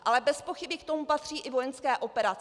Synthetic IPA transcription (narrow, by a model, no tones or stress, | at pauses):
ʔalɛbɛspo̞xɪbɪkt̪o̞mupat̪r̝̥iːʔɪvojɛnskɛːʔo̞pɛɾat͡s